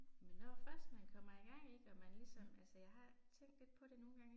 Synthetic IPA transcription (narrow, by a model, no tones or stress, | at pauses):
menːɒfɶɐsd̥mænkʰɒ̽m̰ɐiɡ̥ɑ̈ŋ̰e̝ɡ̥əɒ̽mænlisɒ̽mælsəjɑ̈ɪhɑ̈t͡sʰeŋ̰d̥le̝d̥̚pʰɒ̽ɾ̥e̝no̝ːn̩ɡ̥ɑ̈ŋ̰